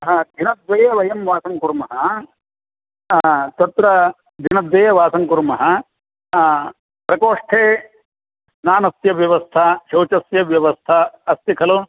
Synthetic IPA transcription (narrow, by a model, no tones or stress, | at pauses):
ɐɦɐd̪ʱinɐd̪ʋɐjɐʋɐjɐmʋaːsɐŋkuɾmɐɦɐ | t̪ɐt̪ɾɐ | d̪ʱinɐd̪ʋɐjɐʋaːsɐŋkuɾmɐɦɐ | pɾɐkoːʂʈʰeː | naːnɐsjɐʋjɐʋɐst̪ʰɐʃɐwt͡ʃɐsjɐʋjɐʋɐst̪ʰɐɐst̪ikʰɐlo